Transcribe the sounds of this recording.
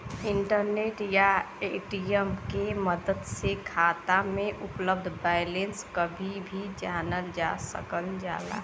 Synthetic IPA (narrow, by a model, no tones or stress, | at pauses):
ɪɳʈəɾneːʈja | eːʈijəmkeməd̪əd̪sekʰaːt̪amẽʔʊpləb̚d̪ʱbaːjlẽnskəbʱibʱid͡ʒaːnəld͡ʒa̰sə̰kəld͡ʒa̰ːla̰